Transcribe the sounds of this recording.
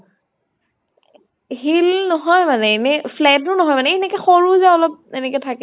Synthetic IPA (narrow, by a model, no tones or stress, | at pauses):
ɦilnɔɦɔjmanɛenɛflɛdnʊnɔɦɔjmanɛinɛkɛxoɹuzaɔlɔp̚tenɛkɛtʰakɛ